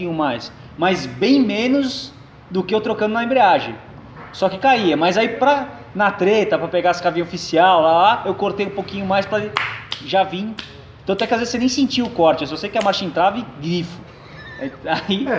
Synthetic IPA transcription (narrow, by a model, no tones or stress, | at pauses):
ĩɲʊmajs | majzbẽj̃mẽnʊz | d̪ʊkɪewt̪ɾokɐ̃nd̪ʊnɐẽmbɾeaʒẽ | sɔkɪkaiɐmɐjzaipɾɐ | nɐt̪ɾet̪ɐpɾɐpeɡaɐsɪkavĩɲɐofisiawlalaewkoɾt̪ejũpokĩɲʊmajspɾɐʒavĩɲʊ̃ | t̪ɐ̃t̪ɛ̃kɪazezɪsenẽj̃sẽnt͡ʃiʊkɔɾt͡ʃɪewsɔsejʊkɪɐmaɾʃẽt̪ɾavɪɡɾifʊ̥ | ai